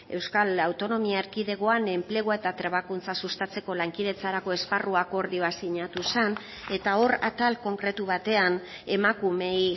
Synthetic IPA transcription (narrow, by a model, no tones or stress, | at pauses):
e̞wskalawt̪o̞no̞miaeɾkiðe̞ɣo̞ane̞mple̞ɣ̞oaet̪at̪ɾeβakunt͡sasust̪at͡se̞ko̞laŋkið̞e̞t͡saɾako̞e̞sparuako̞ɾðio̞asiɲat̪usan | e̞t̪ao̞ra̰t̪alko̞ŋkɾe̞t̪uβat̪e̞an | e̞makume̞